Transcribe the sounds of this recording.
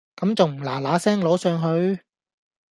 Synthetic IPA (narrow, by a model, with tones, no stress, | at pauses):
kɐ˨˥mt͡sɐ˨wm̩˨˩laː˨˩laː˨˥sɛː˥ŋlo˨˥wsœː˨˧ŋɦɵ˨˧ɥ